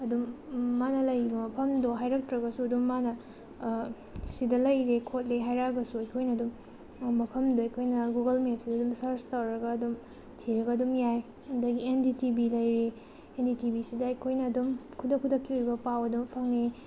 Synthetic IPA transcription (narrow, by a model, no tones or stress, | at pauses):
ɐdumːanɐlɐjbɐmɐpʰɐmdoɦajɾɐk̚tɾɐɡɐsuɐdumːanɐ | sidɐlɐjɾekʰot̚lejɦajɾaɡɐsuɐjkʰojnɐːdum | mɐpʰɐmdoɐjkʰojnɐɡuɡɐlmep̚sidɐdumsɐɾstɐwɾɐɡɐːdum | tʰiɾɐɡɐːdumjaj | ɐndɐɡienditibilɐjɾe | enditibisidɐɐjkʰojnɐːdumkʰudɐkʰːudɐkʰːiuɾjbɐpawɐdumpʰɐŋe